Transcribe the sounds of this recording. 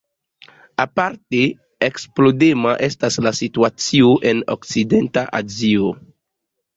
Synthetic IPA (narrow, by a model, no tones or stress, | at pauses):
apaɾte | eksplodemaʔe̞staslasituat͡sioʔe̞no̰k̚t͡side̞ntaʔa̰zio